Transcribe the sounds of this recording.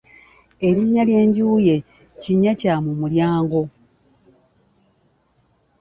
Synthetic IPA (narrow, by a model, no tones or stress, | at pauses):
e̞ɾiɲːalje̞ːɲɟuːje̞ | ciɲːacamumuljaːŋɡo̞